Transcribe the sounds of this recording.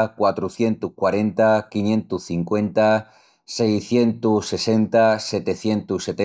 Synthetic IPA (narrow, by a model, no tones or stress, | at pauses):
kwat̪ɾuθje̞nt̪ukwaɾe̞nt̪akinjẽ̞nt̪uθiŋkwẽ̞nt̪a | sejθje̞nt̪usːe̞se̞nt̪aset̪eθje̞nt̪uset̪